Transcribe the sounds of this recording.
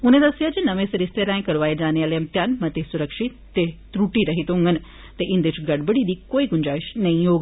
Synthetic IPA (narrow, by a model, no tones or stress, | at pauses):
ʊnẽd̪ɐsijad͡ʒenɐʋẽsɐɾɪst̪elaːẽkɐɾʋaːed͡ʒaːneaːlemt̪janmɐt̪esʊɾəkʃi | t̪et̪ɾuʈiɾɐɦit̪ũŋɡən | t̪eʔɪ̃nd̪et͡ʃɡɐɽbəɽid̪iːkoːiɡʊɲd͡ʒaːɪʃnɐĩjoːɡ